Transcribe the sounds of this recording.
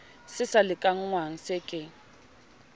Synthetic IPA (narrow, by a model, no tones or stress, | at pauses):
sɪsalɪkʼaŋ̩ŋwaŋ̩sɪkʼɪ